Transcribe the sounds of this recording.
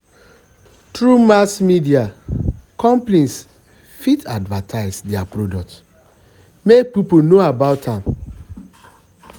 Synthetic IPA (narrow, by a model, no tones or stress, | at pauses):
tɾumasmidiakɔ̃mplĩns | fitʰadvatʰaɪsdɛapɾodɔk̚t | mek̚piponoabaʊtãm